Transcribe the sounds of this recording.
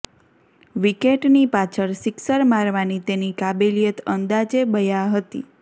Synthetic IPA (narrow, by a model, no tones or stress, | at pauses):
ʋikeʈnipat͡ʃʰəɾsɪksəɾmaɾʋanit̪enikabelijət̪ənd̪ad͡ʒebəjaɦət̪ḭ